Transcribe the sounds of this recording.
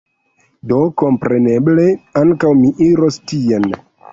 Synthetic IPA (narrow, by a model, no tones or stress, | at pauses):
do̞ko̞mpɾe̞ne̞ble̞aŋkawmiʔiɾo̞stien